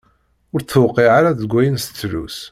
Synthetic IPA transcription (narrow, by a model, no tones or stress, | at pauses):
ʊɾθːwqːiʕaɾaðɡʷːæjənst͡sːlṵs